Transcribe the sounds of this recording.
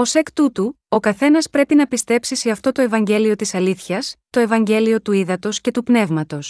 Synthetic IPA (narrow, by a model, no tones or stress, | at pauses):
o̞se̞kt̪ut̪u | o̞kɐθe̞nɐspɾe̞pinɐpist̪e̞psise̞ɐft̪o̞t̪oe̞vɐɲɟe̞lio̞t̪isɐliθçɐst̪o̞e̞vɐɲɟe̞lio̞t̪uiðɐt̪o̞sce̞t̪upne̞vmɐt̪o̞s